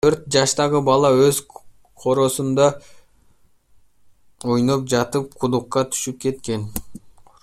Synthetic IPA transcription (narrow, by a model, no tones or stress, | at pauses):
t̪ʰøɾt̪̚d͡ʒɑʃt̪ɑʁəbɑlˠɑøz | qʰo̞ɾo̞ːsund̪ɑ | ojnop̚d͡ʒɑt̪ɯp̚qʰud̪uqːɑt̪ʰy̥ʃyp̚ke̞t̪ke̞n